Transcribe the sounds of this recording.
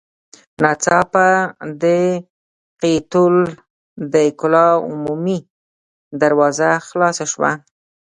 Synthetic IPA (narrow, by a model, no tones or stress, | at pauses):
nat͡sɑpad̪ə | qit̪ul | d̪əkʊlɑʊ̰mumi | d̪aɾwɑzaxlɑsaʃwa̰